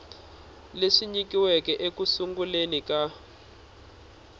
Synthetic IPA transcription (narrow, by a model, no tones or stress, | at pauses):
leʂiɲikiwɛkɛʔekusuŋɡulenika